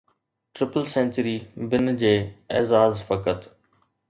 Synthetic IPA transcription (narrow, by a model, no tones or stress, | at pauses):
ʈɾɪpəlsẽːnʲt͡ʃəɾiːbɪnd͡ʑeːḛːzaːzfəkət̪